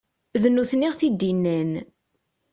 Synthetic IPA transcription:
ðənːuθniʁθid̪inːæn

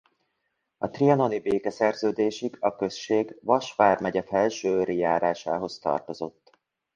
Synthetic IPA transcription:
ɒt̪riɒno̞nibeːkɛsɛrzøːd̪eːʃiɡɒkø̞sʃeːɡvɒʃʋaːrmɛɟɛfɛlʃøːɾijaːɾaːʃaːɦo̞st̪ɒ̰rt̪o̞zo̞t̪ː

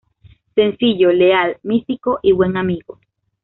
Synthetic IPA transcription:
sensiʎolealmist̪ikoʔiβweŋamiɣo

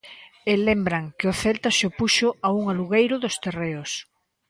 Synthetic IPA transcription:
elembɾaŋkeoθelt̪aʃopuʃoauŋaluɣejɾʊðost̪ereos

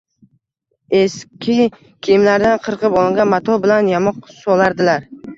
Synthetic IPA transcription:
eskʲʰɪ | kʲʰɪmlaɾd̪anqʰɨɾqɨpɒlˠɪŋɡʲanmat̪ʰɒbɪlanjamɒqsɒlˠaɾd̪ɪlaɾ

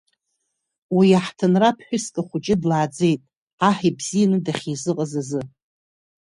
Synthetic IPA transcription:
wijaħtʰɨnrapʰħʷᶣʊskʼaχʷʊt͡ʃʼɪdlaːd͡ze̞jtʼ | aħibz̥ijanɨdaχʲizɨqʼazazɨ

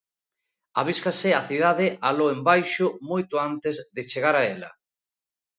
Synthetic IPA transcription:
aβ̞iskasɪaθiðaðeʔaloembajʃʊmojt̪ʊant̪ezðet͡ʃeɣ̞aɾaela̰

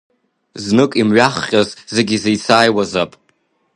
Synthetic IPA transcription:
znɨkʼimɥaχːʲʼazzeɡʲizejt͡sʰaːjwazapʼ

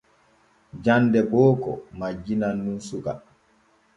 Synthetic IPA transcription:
d͡ʒandɛbɔːkɔ̰mad͡ʒinanːunsuka

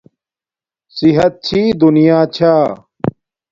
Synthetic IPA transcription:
siɦɐt̪̚t͡ɕʰiːd̪unijaːt͡ɕʰaː

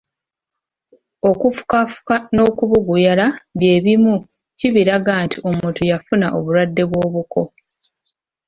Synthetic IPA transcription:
o̞kufu̥kafu̥kano̞ːkuβuɡujalaβje̞ːβimu | ciβiɾaɡaːntʰiʔo̞mutujafunaʔo̞̰βuɾwadːe̞βwo̞ːβukʰo̞

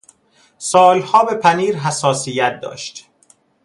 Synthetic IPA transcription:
sɒːlhɒːbe̞pʰæniːɾɦæsɒːsijæt̪̚d̪ɒ̰ːʃt̪

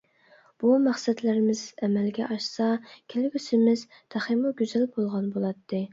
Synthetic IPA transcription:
b̥umæχsɛd̪lɪɾɪmɪz̥ɛmælɡʲɛ̰ʔɑʃsɑkʲʰelɪɡʲysɪmɪz | t̪ʰæχimuɡʲyzælbolˠʁɑnbolˠɑt̪ʰːɨ

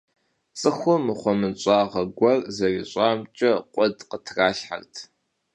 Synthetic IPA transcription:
t͡sʼɨxʷʊmɨχʷɔmɨnɕʼɑːʁɐɡʷɐrzɐriɕʼaːmt͡ʃʼɐqʷʼɔdqətʰraːɬħa̰rtʰ

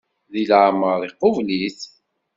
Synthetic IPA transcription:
ðilʕməɾðˤiqːovliθ

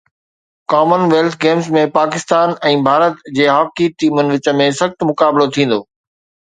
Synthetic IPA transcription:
kaːmənʋeːlt̪ʰɡeːmzmẽpaːkɪst̪aːnɛ̃ːbʱaːɾət̪d͡ʑeːɦɔːkiʈiːmənɪ̆ʋɪt͡ɕə̆mẽsɐxt̪mʊkaːbɪlot̪ʰĩːn̆d̪oː

